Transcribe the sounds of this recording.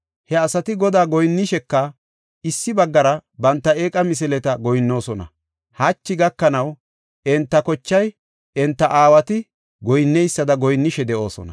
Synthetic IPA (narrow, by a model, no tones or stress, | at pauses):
hɛɐsɐt̪ɪɡɔd̪aːɡɔjnːɪʃɛkːɐ | ɪsːɪbɐɡːɐɾɐbɐnt̪ːɐeːkʼɐmɪs̬ɛlɛt̪ɐɡɔjnːo̞ːsɔnɐ̰ | hɐt͡ʃːɪɡɐkːɐnɐw | ɛnt̪ːɐkɔt͡ʃːɐj | ɛnt̪ːɐʔaːwɐt̪ɪ | ɡɔjnːɛjsːɐd̪ɐɡɔjnːɪʃɛd̪ɛʔo̞ːsɔ̰nɐ̰